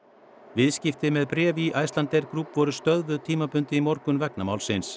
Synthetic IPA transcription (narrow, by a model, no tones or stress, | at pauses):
vɪðscɪft̪ɪmɛðpɾɛːviʔajst̪lant̪ɛjɾ̥kɾupvɔɾʏst̪œðvʏt̪ʰiːmapʏnt̪ɪimɔɾkʏnvɛknamaːwlsɪns